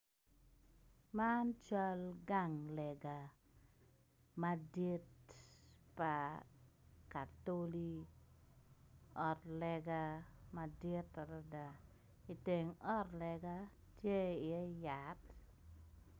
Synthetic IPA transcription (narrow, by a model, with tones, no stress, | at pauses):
ma˦nt͡ʃa˦lɡa˦˨ŋlɛ˨ɡa˨ | ma˦di˦t̚ | pa˨ | ka˨to˦li˦ | ɔ˨tlɛ˨ɡa˦ma˨di˦tpa˨da˨da˨ | i˨te˨ŋɔ˦tlɛ˨ɡa˦ | tje˦i˨ɛ˦jat